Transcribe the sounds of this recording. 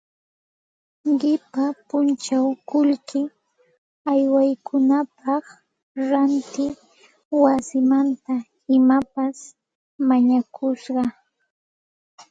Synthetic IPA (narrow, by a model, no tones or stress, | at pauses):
ɢɪpapʊnt͡ʃawkʊlkɪ | ajwajkʰʊnapɑχ | ɾant̪ɪ | wasɪmant̪a | ɪmapas | maɲakʰʊʃɢɑ